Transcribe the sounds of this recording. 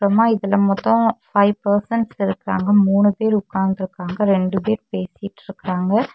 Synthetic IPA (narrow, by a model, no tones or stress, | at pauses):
kɾɐmaːɪðɐlɐmɐt̪ːɔ̃fɐɪʋpɐɾsɛɳʈsɪɾɯkːɪɾa̰ːŋɡɐmuːɳɯpeːɾʊkːaːnd̪ɪɾɯkːaːŋɡɐɾɛɳɖɯpeːɾpeːsɪjɪʈːɪɾɯkːɪɾaːŋɡɐ